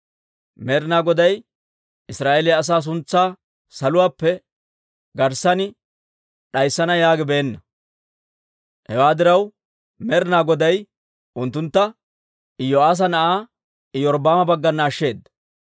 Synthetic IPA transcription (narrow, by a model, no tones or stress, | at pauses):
mɛɾnaːɡɔd̪ɐj | ɪsɾaːʔelɪɐs̬aːs̬ʊnt͡sːaː | sɐlʊwaːpːɛ | ɡɐɾsɐnɪ | ɗɐjsːɐnɐjaːɡɪbɛːnːɐ | hɛwaːd̪ɪɾɐw | mɛɾɪnaːɡɔd̪ɐj | ʔʊnt̪ːʊnt̪ːɐ | ɪjoaːs̬ɐnɐʔaː | ɪjɔɾbaːmɐbɐɡːɐnːaːʃːe̞ːd̪ːɐ